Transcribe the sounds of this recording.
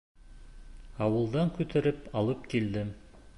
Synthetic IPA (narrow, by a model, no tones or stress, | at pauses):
ɑwɤ̆lˠd̪ɑŋkʉt̪ɘ̆ɾɘpɑlˠɤp̚kild̪ɘm